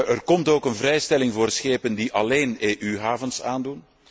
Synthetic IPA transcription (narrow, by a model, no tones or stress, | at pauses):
ərkɔmtoːkənvɾɛjstɛlɪŋvoːrsxeːpəndiʔɑleːneːʔyɦaːvənsaːndun